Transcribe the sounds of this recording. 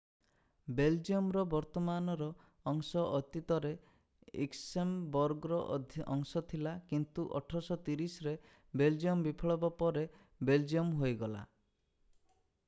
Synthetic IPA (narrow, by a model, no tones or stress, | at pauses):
beld͡ʒiɔmɾɔbɔɾt̪ɔmanɔɾɔː | ŋsɔʔɔt̪it̪ɔɾe | ḭksembɔɾɡɔɾɔʔd̪ʱʔɔŋsɔt̪ʰilakint̪uʔɔ̰ʈʰɔsɔt̪iɾisɔɾe | beld͡ʒiɔmbipʰɔɭɔbɔpɔɾe | beld͡ʒiɔmɦojɡɔla̰